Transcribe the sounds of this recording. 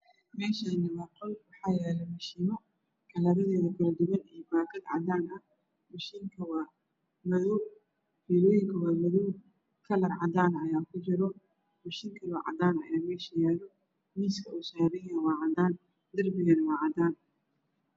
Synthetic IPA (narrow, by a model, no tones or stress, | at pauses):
mɛːʃɐnɐβɑːq̪ɔlwɑħɑːjɛːlɛmɐʃiːmɐ | kʰɐlɐɾɐðɛːðɐɡɐrd̪ʊɣɐnijɔbaːɡɐd̪ʕɑ̰d̪aːnɐ | mɐʃiːŋkʰɐwɑː | mɐðɔw | fiːlɔːjɪŋkʰɐwɑːmɐðɔw | kʰɐlɐrʕɑd̪aːnɐjaːkʰʊt͡ʃɪɾɔ | mɐʃiːŋkʰɐwɑːʕɑ̰d̪aːnɐ̰jaːmɛːʃɐjaːlɔ | miːskʰɐʊsaːɾɪjɐwɑːʕɑd̪aːn | d̪ɐrbɪɣɛnɐwɑːʕɑd̪aːn